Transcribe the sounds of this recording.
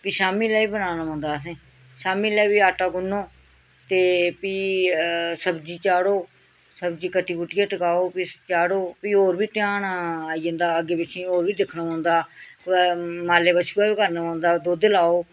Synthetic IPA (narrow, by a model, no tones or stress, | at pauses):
piʃaːmiːlɛːiːbənaːnaːãːnd̪aːs̬ẽː | ʃaːmiːlɛːbiːaːʈaːɡʊnːoː | t̪eːpiː | səbd͡ʒiːt͡ʃaːɽoː | səbd͡ʒiːkəʈiːkʊʈijəʈəkaːoːpit͡ʃaːɽoːpiːoːɾbiːt̪ɪjaːnaaːiːə̃ːnd̪aːəɡeːpɪt͡ʃʰĩːoːɾʋiːd̪ɪkʰnaːãːnd̪aː | maːleːbət͡ʃʰuaːbiːkəɾnaːãːnd̪aːd̪oːd̪elaːoː